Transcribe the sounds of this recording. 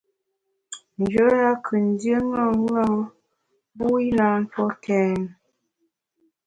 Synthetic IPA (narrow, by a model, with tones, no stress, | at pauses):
n̩˨d͡ʒo˨˦ja˦kʰə˨n˨˦djə˦ŋɔ˦˨˦ŋa˦ | bu˦i˦na˦n̩˦tɔ˦kɛː˨˦n